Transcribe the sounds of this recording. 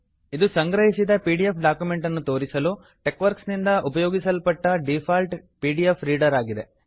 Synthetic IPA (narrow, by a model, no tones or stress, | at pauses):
id̪usɐŋɡɾɐɦisid̪ɐpiːɖiepʰɖaːkjume̞ɳʈɐnːut̪o̞ːɾisɐlu | ʈekʋɐɾksnind̪ɐʔupɐjɔːɡisɐlpɐʈːɐɖipʰaːlʈpiːɖiepʰliːɖɐɾaːɡid̪e̞